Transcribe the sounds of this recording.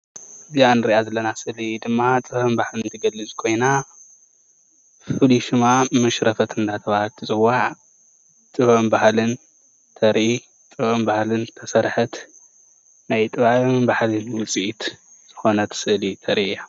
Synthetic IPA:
ɨzianɨɾiʔazɐlːɐnasɨlid̪ɨmːat̪ʼɨhɨmbahlɨnt̪ʰɐɡɐlːɨzkʰo̞jna | fɨliʃɨmamɨʃɾɐfɐt̪ɨnd̪at̪ʰɐβahalt̪ʰɨzʼɨwaʕ | t̪ʼɨβɨmbahlɨn | t̪ʰɐɾi | t̪ʼɨβɨmbahlɨnt̪ʰɐsɐɾħɨt̪ | najt̪ʼɨβambahlɨnwʊt͡sʼiʔit̪ | z̥ɨxo̞nɐt̪ʰsɨʔlit̪ʰɐɾiija

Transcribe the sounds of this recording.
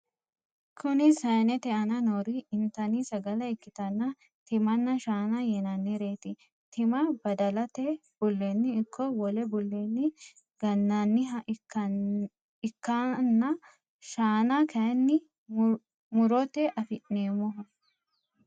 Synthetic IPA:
kʰʊnɪsɐjnɛt̪ɛʔɐnɐnoːɾiɪnt̪ɐniːsɐɡɐlɐɪkːɪt̪ɐnːɐ | t̪ɪmɐnːɐʃaːnɐjɛnɐnːɪɾeːt̪ɪ | t̪ɪmɐbɐd̪ɐlɐt̪e | b̥ʊlːeːnːɪːkʰːɔwɔlɛbʊlːeːnːɪ | ɡ̥ɐnːɐnːɪɦɐɐ | ɪkːanːɐ | ʃaːnakʰɐɐnːɪ | mʊɾɔt̪eʔɐfɪʔneːmɔɦɔ

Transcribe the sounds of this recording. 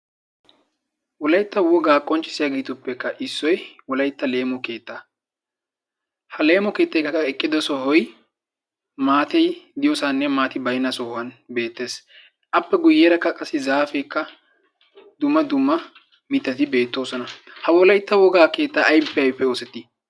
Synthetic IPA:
wɔlɐjt̪ːɐwɔɡaːkʼːɔnt͡ʃʼːɪ̥sɪjaːɡeːt̪ʊpːɛkːɐʔɪsːɔjwɔlɐjt̪ːɐle̞ːmɔke̞ːt̪ːaː | hɐle̞ːmɔke̞ːt̪ːɐjkːɐkːɐɛkʼːɪd̪ɔsɔɦɔj | maːt̪ɛjd̪ɪjɔsanːɛmaːt̪ɪbɐjnːɐsɔhʊwɐnbe̞ːt̪ːe̞ːs | ʔɐpːɛɡʊjːeːɾɐkːɐkʼɐsːɪzaːfɛjkːɐ | d̪ʊmːɐd̪ʊmːɐ | mɪt̪ːɐt̪ɪbe̞ːt̪ːo̞ːsɔnɐhɐwɔlɐjt̪ːɐwɔɡaːke̞ːt̪ːaːʔɐjpːɛɐpːɛo̞ːsɛt̪ːɪ

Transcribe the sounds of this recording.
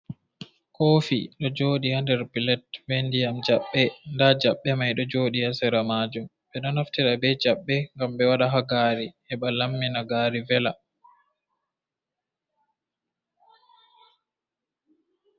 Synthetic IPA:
koːfiɗɔd͡ʒoːɗihandɛɾpilɛtvendijamd͡ʒaɓːɛndad͡ʒaɓːɛmajɗɔd͡ʒoːɗihasɛɾamaːd͡ʒum | ɓɛɗɔnaftiɾabɛd͡ʒaɓːɛŋɡamɓɛwaɗaɦaɡaɾihɛɓalamːinaɡaːɾivɛla

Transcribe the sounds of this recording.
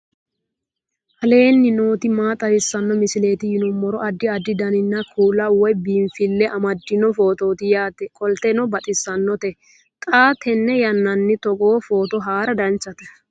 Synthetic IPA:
hɐle̞ːnːɪnoːt̪ɪmaːt̪ʼɐɾɪsːɐnːɔmɪsɪleːt̪ɪjɪnʊmːɔɾɔɐd̪ːɪɐd̪ːɪd̪ɐnɪnːɐkʰuːlːɐwɔjbiːɱfɪlːɛʔɐmɐd̪ːɪnɔfo̞ːt̪o̞ːt̪ɪjaːt̪ɛkʼɔlt̪ɛnɔbɐt̪ʼɪsːɐnːɔt̪ɛ | t̪ʼaːt̪ʰɛnːɛjɐnːɐnːɪt̪ɔɡoːfo̞ːt̪ɔɦaːɾɐd̪ɐnt͡ʃːɐt̪ɛ̥

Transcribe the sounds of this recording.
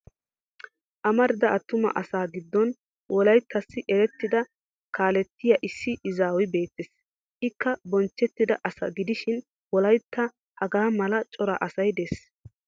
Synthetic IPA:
ʔɐmɐɾɪd̪ɐʔɐt̪ːʊmɐ̰ʔɐsaːɡɪd̪ːɔn | wʔɔlɐjt̪ʰːɐsːɪʔɛɾɛt̪ːɪd̪ɐ | kaːlɛt̪ːɪjɐʔɪsːɪʔɪzaːwɪbe̞ːt̪ːɪs | ʔɪkːɐbɔnt͡ʃːɛt̪ːɪd̪ɐ̰ʔɐsɐ̰ɡɪd̪ɪʃɪn | wɔlɐjt̪ːɐ | hɐɡaːmɐlɐt͡ʃʼɔɾɐʔɐsɐjd̪es

